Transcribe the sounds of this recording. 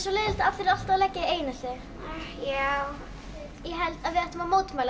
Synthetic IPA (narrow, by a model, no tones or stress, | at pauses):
sɔlɪːðɪl̥t̪afθɪɾɪðal̥t̪aðlɛcːaeːjnasɛɣ | jaw | jɛɦɛlt̪aðvɪðɛht̪ʏmamoːwt̪maːjl